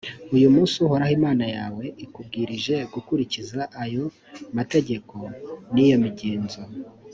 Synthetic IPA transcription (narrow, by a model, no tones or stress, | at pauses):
ujumuːsuhoɾahimaːnajaːwe̞ikub̚ɡiːɾiʒe̞ɡukuɾicizaʔːjo̞ | mate̞ɟe̞ko̞nijo̞miɟeːnzo